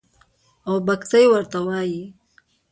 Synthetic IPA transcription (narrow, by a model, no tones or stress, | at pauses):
owbakt̪ajwaɾt̪awɑji